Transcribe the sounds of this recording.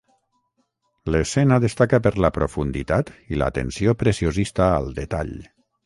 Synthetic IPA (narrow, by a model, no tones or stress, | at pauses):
lesɛnəðəst̪akapəɾləpɾofund̪it̪at̪ilə̰t̪ə̰nsiopɾesiozist̪aə̰lˠd̪et̪a̰ʎ